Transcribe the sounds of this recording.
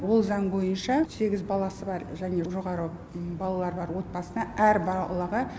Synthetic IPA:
wo̞lˠzɑɴbo̞jənʃɑse̞ɡʲɪzbɑlˠɑsəbɑɾʒæne̞ʒo̞ʁɑɾə | bɑlˠɑlˠɑɾbɑɾwo̞t̪̚bɑsənɑʔæɾbɑlˠɑʁə

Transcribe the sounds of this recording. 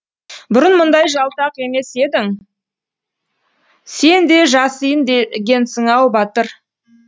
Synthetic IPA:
bʊɾənmʊnd̪ɑjʒɑlˠt̪ɑqe̞me̞se̞d̪ɪŋ | se̞nd̪e̞ʒɑsəjənd̪eɡʲe̞nsəɴɑwbɑt̪əɾ

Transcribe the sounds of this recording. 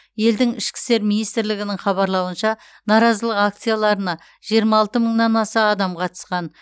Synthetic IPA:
je̞ld̪ɪŋɪʃkʲɪ̥st̪eɾminijst̪ɪɾlɪɡʲɪnɪŋχɑβɑɾlˠɑwənʃɑ | nɑɾɑzəlˠəqak̚t̪sijalˠɑɾənɑ | ʒijəɾmɑːlˠt̪əməɴnɑnɑsɑːd̪ɑmqʰɑt̪ə̥sqɑn

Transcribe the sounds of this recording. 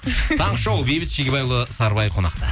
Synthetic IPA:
t̪ʰɑɴʃɑwbebɪt̪ʃekʲebɑjlˠəsɑɾbɑjqʰo̞nɑ̰qt̪ɑ

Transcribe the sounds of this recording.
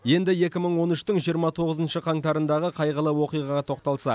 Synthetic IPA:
je̞nd̪ɪje̞kʲɪməɴwo̞nʏʃt̪ɪɴʒijəɾmɑt̪ʰo̞ʁəzənʃəqʰɑŋt̪ɑɾənd̪ɑʁəqʰɑjʁəlˠəwo̞qijʁɑʁɑt̪ʰo̞q̚t̪ɑlˠsɑ̰

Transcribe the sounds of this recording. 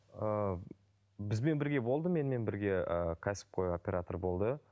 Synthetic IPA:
ə | bɪzbe̞nbɪɾɡʲe̞bo̞lˠd̪əme̞nme̞nbɪɾɡʲe̞əkʲʰæsɪ̥p̚qʰo̞jopʲe̞ɾat̪orbo̞lˠd̪ə

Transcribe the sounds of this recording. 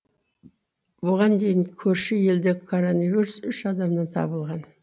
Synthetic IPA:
bʊʁɑnd̪e̞jɪŋkʲʰɵɾʃɪje̞ld̪ekʰoɾonivʲiɾusʏʃɑd̪ɑmnɑnt̪ʰɑ̰bəlˠʁɑn

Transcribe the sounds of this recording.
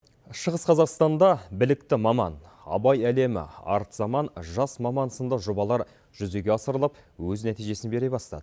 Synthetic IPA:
ʃəʁəsqʰɑzɑqst̪ɑnd̪ɑbɪlɪkt̪ɪmɑmɑ̰n | ɑ̰bɑjæle̞mɪ̰ɑ̰ɾt̪zɑmɑnʒɑsmɑmɑnsənd̪ɑʒobɑlˠɑɾ | ʒ̥ʏze̞ɡʲe̞ɑsəɾəlˠɑp̚wɵznæt̪ijʒe̞sɪnbe̞ɾebɑst̪ɑ̰d̪̥ə

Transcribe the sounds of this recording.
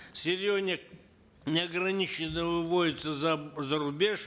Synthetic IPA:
sʲɪɾʲjoznʲɪk̚ | nʲɪɐɡɾɐnʲit͡ɕɪnːəvɨvoɪt̪səzɐzəɾʊbʲeʂ

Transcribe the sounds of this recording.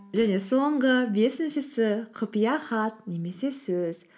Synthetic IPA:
ʒæne̞so̞ɴʁəbe̞sɪnʃɪsɪqʰʊpijɑχɑt̪̚ne̞me̞se̞sɵz̥

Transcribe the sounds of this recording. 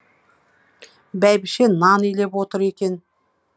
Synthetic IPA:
bæjbɪʃenɑnijle̞pwot̪əɾe̞kʲe̞n

